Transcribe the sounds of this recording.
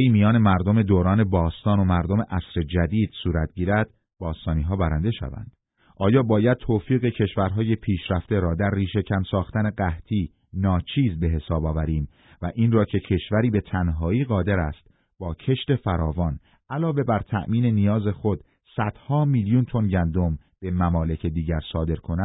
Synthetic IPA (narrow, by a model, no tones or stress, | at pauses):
imijɒːne̞mæɾd̪o̞me̞d̪oːɾɒːne̞bɒːst̪ɒːno̞mæɾd̪o̞me̞ʔæsɾe̞d͡ʒæd̪iːd̪̥suːɾæt̪̚ʰɟiːɾæd̪̥̚ | b̥ɒːst̪ɒːniːɦɒːbæɾænd̪e̞ʃæ̰væ̰nd̪̥ | ʔɒːjɒːbɒːjæd̪̥̚t̪ʰoːfiːɣe̞cʰe̞ʃvæɾɦɒːje̞pʰiːʃɾæft̪e̞ɾɒːd̪æɾːiːʃe̞cʰæmsɒːxt̪æne̞ɢæht̪ʰiː | nɒːt͡ʃʰiːzbe̞ɦe̞sɒːbɒːvæɾiːm | væʔiːnrɒːcʰe̞cʰe̞ʃvæɾiːbe̞t̪ʰænɦɒːiːɢɒːd̪e̞ɾæst̪ | b̥ɒːcʰe̞ʃt̪e̞fæɾɒːvɒːn | ælɒːve̞bæɾt̪ʰæ̰ʔmiːne̞nijɒːze̞xo̞d̪̥ | sæd̪̥hɒːmiːljunt̪ʰo̞nɟænd̪o̞m | b̥e̞mæmɒːle̞cʰe̞d̪iːɟæɾsɒːd̪e̞ɾkʰo̞næ